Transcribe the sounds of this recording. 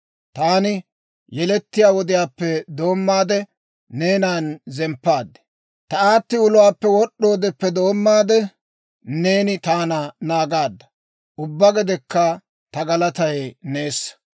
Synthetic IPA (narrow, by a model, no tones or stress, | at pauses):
t̪aːnɪ | jɛlɛt̪ːɪjaːwɔd̪ɪjaːpːɛd̪o̞ːmːaːd̪ɛ | neːnaːnzɛmpːaːd̪ɛ̥ | t̪ɐaːt̪ːɪʊlʊwaːpːɛwɔɗːo̞ːd̪ɛpːɛd̪o̞ːmːaːd̪ɛ | ne̞ːnɪt̪aːnɐnaːɡaːd̪ːɐ̥ | ʊbːɐɡɛd̪ɛkːɐ | t̪ɐɡɐlɐt̪ɐjneːsːɐ̥